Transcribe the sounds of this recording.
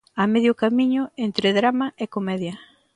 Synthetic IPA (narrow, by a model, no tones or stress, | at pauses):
ameðjʊkamiɲʊent̪ɾeðɾamaʔekomɛðjɐ